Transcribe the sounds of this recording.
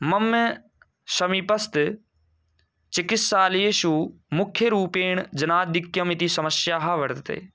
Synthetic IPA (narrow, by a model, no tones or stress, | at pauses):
mɐmːe | ʃɐmipɐst̪ | t͡ʃɪkɪt̪saːljeːʃumʊkʰjəɾuːpeːɳd͡ʒɐnaːd̪ɪkjɐmɪt̪isɐməsjaːɦaʋɐɾt̪t̪ḛː